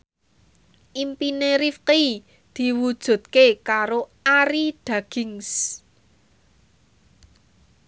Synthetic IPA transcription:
ʔimpineɾifq | d̪̥i̤wud̥ʒ̥ṳt̪̚kekaɾoʔaɾiɖ̪̥ä̤ɡ̥ɪŋs

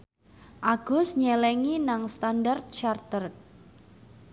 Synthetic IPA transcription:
ʔaɡ̥ʊ̤sɲɛlɛŋinaŋst̪andart̪̚t͡ʃart̪ərk̚

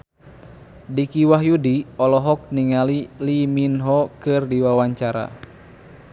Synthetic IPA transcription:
dikiwaɦjudiɔlɔɦɔk̚niŋaliliminɦɔkɨrdiwawaɲt͡ʃaɾa̰

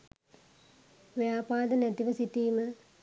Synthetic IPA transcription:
ʋejaːpaːd̪ənæt̪iʋəsit̪iːmə

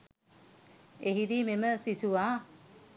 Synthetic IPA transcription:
eɦid̪iːmeməsisuʋaː

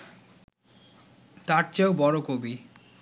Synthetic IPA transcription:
t̪aɾt͡ɕaobɔɾokobi

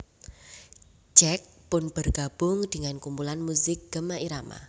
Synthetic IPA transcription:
d͡ʒɛk̚pʊnb̥ərɡ̥ab̥ʊŋdəŋankumpulanmuzɪk̚ɡ̥əmaʔiɾama̰

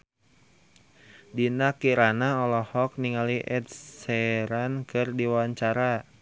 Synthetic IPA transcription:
dinakiɾanaɔlɔhɔk̚niŋaliʔɛd̪̚sɛɾankɨrdiwawaɲt͡ʃaɾa

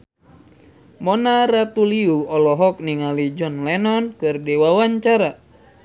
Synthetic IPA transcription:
mɔnaɾat̪uliuɔlɔɦɔk̚niŋalid͡ʒɔnlɛnɔnkɨrdɛwawaɲt͡ʃaɾa

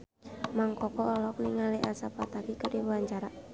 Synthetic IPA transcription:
maŋkɔkɔʔːlɔk̚niŋaliʔasapat̪akikədiwaɲt͡ʃaɾa

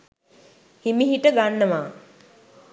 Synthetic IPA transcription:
himiɦiʈəɡanːəʋaː

